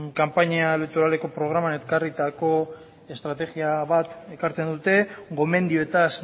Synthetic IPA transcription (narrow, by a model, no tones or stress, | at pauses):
kampaɲiaelek̚t̪oɾale̞ko̞pɾo̞ɣ̞ɾamanetkarit̪ako̞ | e̞st̪ɾat̪e̞ɣiaβat̪e̞kaɾt͡se̞nd̪ut̪e̞ɡo̞me̞nd̪ioet̪as